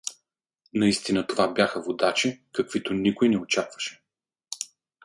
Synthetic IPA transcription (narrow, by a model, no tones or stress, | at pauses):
nɐist̪inət̪ovabʲjaxəvod̪at͡ʃikəkv̥it̪onikojnɛot͡ʃakvə̥ʃɛ̥